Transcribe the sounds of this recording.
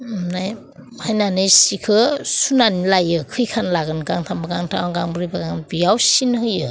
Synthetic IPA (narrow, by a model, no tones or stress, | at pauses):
naj | hajnanɯjsikʰɯsunanilajɯkʰɯjkʰanlaɡɯnɡaŋtʰambaɡaŋtʰaaɡaŋbɯɾibaɡaŋbijawsinhɯjɯ